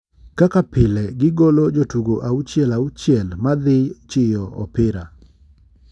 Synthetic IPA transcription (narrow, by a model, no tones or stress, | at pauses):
kakapɪlɛɡɪɡolod͡ʒotuɡoʔaut͡ʃjɛlaut͡ʃjɛlmad̪ɪjt͡ʃɪjɔɔ̰pɪɾa